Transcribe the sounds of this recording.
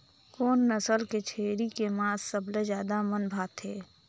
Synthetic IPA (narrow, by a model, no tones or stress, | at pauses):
koːnːəsəlket͡ʃʰeːɾikemãːsːəblezjaːd̪amənbʱaːt̪ʰeː